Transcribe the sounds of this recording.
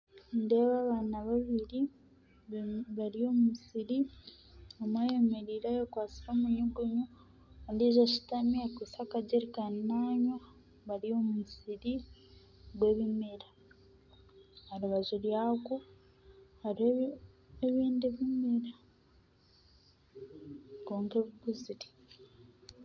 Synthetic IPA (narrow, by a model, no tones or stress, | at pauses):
nde̞βaːβaːnaβaβiɾi | βaɾio̞ːmusiɾi | omwajemeɾiːɾajokwaːt͡siɾoːmuɲuɡuɲu | andiʒaʃitamiakisakaɟeɾikaninaːɲo | βaɾio̞musiɾi | ɡwe̞ːβimeɾa | aɾuβazuɾjaku | haɾihe | eβiːndiβimeɾa | koːŋkeβuɡuziɾi̥